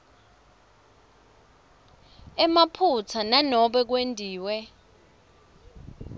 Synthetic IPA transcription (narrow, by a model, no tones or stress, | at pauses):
ɛmapʰut͡sʰananɔɓɛk̬wendʱiːwɛ